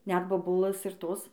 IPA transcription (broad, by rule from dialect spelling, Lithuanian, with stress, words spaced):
nʲɛt boːˈbʊlˠɘs ɪr ˈtoːs